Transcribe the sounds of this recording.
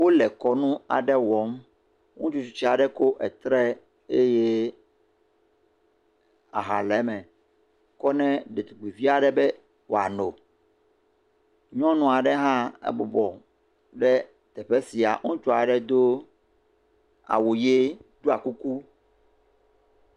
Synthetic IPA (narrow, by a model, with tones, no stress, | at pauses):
wo˦lɛ˨kɔ˦nũ˦a̰˨ɖɛ˦wɔ˨˦m | ŋũ˦t͡ʃu˦t͡ʃu˦t͡ɕi˦a˨ɖɛ˦ko˦ʔɛ˨t̪ɾɛ˦ | e˦je˦ | a̰˨ɦa˨lɛ˨˦mɛ̃˨ | kɔ˦nɛ̃˦ɖe˨t̪u˨ɡ͡bi˨vi˦a˨ɖɛ˨bɛ˦ | wʔo̰˨a˨no˨ | ɲɔ̃˦nũ˦a˨ɖɛ˦ɦã˦ɛ̰˨bɔ˨bɔ˨ | ɖɛ˦ | t̪ɛ˨ɸɛ˦si˨a̰˨ŋũ˦t͡ʃɔ˦a˨ɖɛ˦d̪o˦ | a̰˨wo˨je˦ɖu˦a˨ku˦ku˦